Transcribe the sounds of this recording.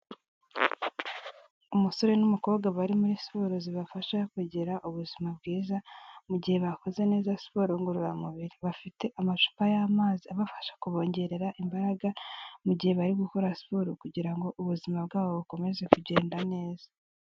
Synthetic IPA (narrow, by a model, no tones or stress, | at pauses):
umuso̞ɾe̞numuko̞ːβɡaβaɾimuɾisi̥po̞ɾoziβafaʃakeɟeɾaʔuβuzimabɡiːzamuɟihe̞βako̞ze̞ne̞ːzasi̥po̞ːɾoŋɡoɾuɾamuβiɾiβafite̞ʔamaʃu̥pajaːmaːziaβafḁʃḁkuβo̞ːɲɟe̞ɾe̞ɾaʔimbaɾaɡamuɟihe̞βaɾiɡuko̞ɾasi̥po̞ːɾokuɟiɾaŋɡo̞ʔuβuzimab̚ɡaːβo̞βuko̞me̞ze̞kuɟe̞ːndane̞ːza